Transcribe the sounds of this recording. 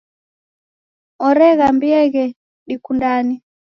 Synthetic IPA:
ɔɾɛɣambiɛɣɛ | ɗikundani

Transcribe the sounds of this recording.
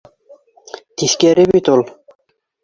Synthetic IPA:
t̪iθkʲɛɾɘbit̪ulˠ

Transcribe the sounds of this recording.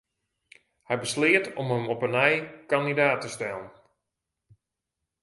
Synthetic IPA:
hɛjbəslɪətɔmɦəmɔpənɛjkandidaːtəstɛlˠən

